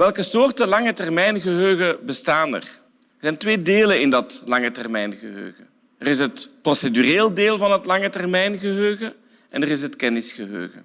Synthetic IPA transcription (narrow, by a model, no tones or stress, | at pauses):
ʋɛlˠkəsoːrtəlɑŋətɛrmɛjnɣəɦøːɣəbəstaːnə̰r | ərzɛjntʋeːdeːlənɪndɑtlɑŋətɛrmɛjnɣəɦø̰ːɣə | ərɪsɦətprosedyreːldeːlˠvɑnɦətlɑŋətɛrmɛjnɣəɦøːɣə | ʔɛ̰nərɪsɦətkɛnɪsxəɦø̰ːɣə